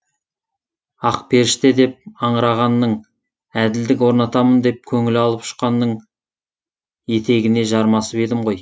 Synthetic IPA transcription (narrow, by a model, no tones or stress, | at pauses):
ɑqpʰe̞ɾɪʃt̪ed̪e̞p̚ɑɴəɾɑʁɑnːəɴ | æd̪ɪld̪ɪk̬wo̞ɾnɑt̪ɑmənd̪e̞p̚kʲʰɵŋɪlɑlˠəpʃə̥qɑnːəɴ | je̞t̪ʰe̞ɡʲɪne̞ʒɑɾmɑsəpe̞d̪ɪmʁo̞j